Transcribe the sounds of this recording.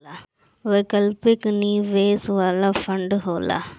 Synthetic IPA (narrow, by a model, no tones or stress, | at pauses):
a | ʋekɐlpikniʋeːsʋaːlɐfʰɐɳɖɦoːla̰